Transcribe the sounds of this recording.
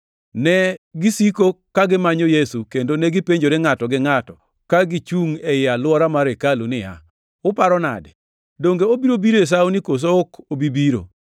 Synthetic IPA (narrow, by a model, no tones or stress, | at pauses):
nɛɡisikokaɡɪmaɲojesukendonɛɡɪpeɲd͡ʒoɾeŋatɔɡɪŋatɔ | kaɡit͡ʃuŋɛjɪalwɔɾamaɾekalunɪja̰ | ʊpaɾɔna̰dɛ | doŋɡeobiɾobiɾes̬awunikos̬ookobibiɾo̰